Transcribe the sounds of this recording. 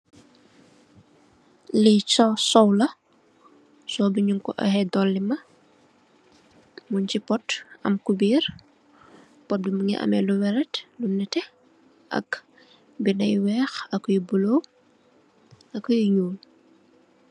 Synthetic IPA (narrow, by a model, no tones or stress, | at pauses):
lisɔsɔwlɐ | sɔbiɲuŋkɔʔɔ̰hɛdɔlːimɐ | muncipɔtɐ̰mkubiːr | pɔt̚bimuŋɛ̰ʔɐ̰mɛluwɛɾɛtlunɛtɛ | ʔɐ̰k | binɐjwɛːxɐkːjibulo | ɐkːujiɲuːl